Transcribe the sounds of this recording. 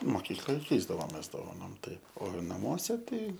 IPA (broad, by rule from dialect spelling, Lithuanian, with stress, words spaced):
moːˈkʲiːklˠoːj ˈkʲɛɪzdɐʋoːmʲeːs doːʋɐˈnoːm ˈtɐɪp oː nɐˈmuɔsʲɛ ˈtɐɪ